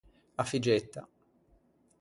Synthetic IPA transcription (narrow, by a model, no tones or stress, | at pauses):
afid͡ʒɛt̪ːa̰